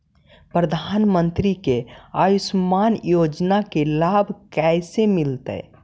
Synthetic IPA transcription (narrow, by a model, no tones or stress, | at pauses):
pɾəd̪ʱaːnmənt̪ɾikeajismanjod͡ʒnakelabʱkɛɪsemilt̪ə̰